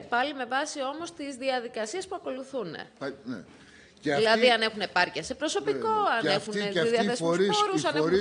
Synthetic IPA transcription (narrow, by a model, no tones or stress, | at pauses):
pɐlime̞vɐsio̞mo̞st̪izðiɐðikɐsiɐspuɐko̞luθunḛnḛ | ilɐðiɐne̞xune̞pɐɾciɐsepɾo̞so̞piko̞ɐnexunðɐθesɾoɾusɐn